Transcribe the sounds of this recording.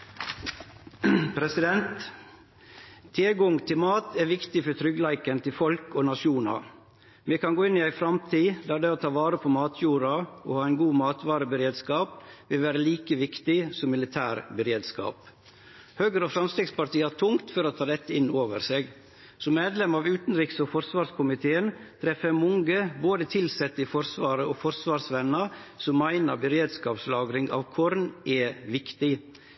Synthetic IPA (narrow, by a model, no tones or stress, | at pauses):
pʰɾɛsɪd̪ɛnt̪ | eɡɔŋt̪ʰɪlmɑːt̪ʰæʋɪkt̪ɪfɔɾt̪ʰɾʏɡlæɪkənt̪ʰɪlfɔlkoːnɑʂuːnɑ̰ | mɛkɑnɡoːɪnːɪæɪfɾɑmt̪ʰiːd̪æːd̪ɛːot̪ʰɑːʋɑːɾəpʰɔmɑːt̪ʰjuːɾɑohɑːæɪnɡuːmɑːt̪ʋɑːɾəbəɾeːd̪skɑːpʋɪlʋæːɾəliːkəʋɪkt̪ɪsɔmɪlɪt̪ʰæːɾbəɾeːd̪skɑ̰ːp | høːɡəɾofɾɑmst̪ɪɡspɑɾʈ̪iːɑʈʰʊŋt̪fɔɾot̪ʰɑːd̪ɛt̪ːəɪnːoːʋəɾseːɡ | sɔmːeːd̪lɛmɑʋʉːt̪n̩ɾɪksɔfɔɾsʋɑːɾskʰʊmɪt̪ʰeːənt̪ʰɾɛfəmʊŋɡəboːd̪ət̪ʰɪlsɛt̪ːəɪfɔɾsʋɑːɾəoːfɔɾsʋɑːɾsʋɛnːɑsɔmæɪnɑɾbəɾeːd̪skɑːpslɑːɡɾɪŋɑ̰ːʋkʰɔɾnɛʋɪkt̪ɪ